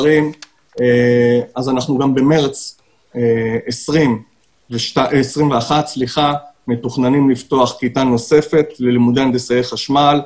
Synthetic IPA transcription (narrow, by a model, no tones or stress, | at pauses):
ʁim | eazanaχnuɡambe̞meʁt͡s | eesʁim | veʃasʁimveaχatsliχametuχnanimlifto̞aχkitano̞se̞fe̞tlelimud̪end̪esajeχaʃmal